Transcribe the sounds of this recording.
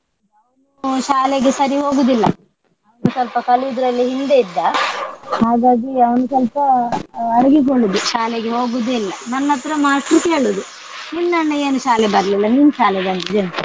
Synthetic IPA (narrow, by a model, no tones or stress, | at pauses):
nanuʃaːleɡesɐɾiɦo̞ːɡud̪ilːɐ | ɐʋɐnusɐlpɐkɐliud̪uɾɐlːiɦind̪e̞id̪ːɐ | ɦaːɡaːɡiɐʋɐnusɐlpɐɐɾɐɡikoɭːud̪uʃaːleɡeɦo̞ːɡud̪ilːɐnɐnːɐt̪ːɾɐmaːʈɾuke̞ːɭud̪u | ninːɐnːɐe̞ːnuʃaːlebɐɾɐlilːɐniːnuʃaːlɛbɐnd̪id̪enu